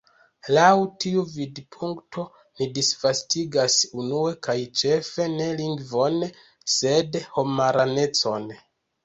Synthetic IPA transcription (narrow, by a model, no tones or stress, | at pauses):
lawtiuvidpʰuŋkto̞ | nidisvastiɡasunue̞kajt͡ʃe̞fe̞ne̞liŋɡvo̞n | se̞dho̞maɾane̞t͡so̞n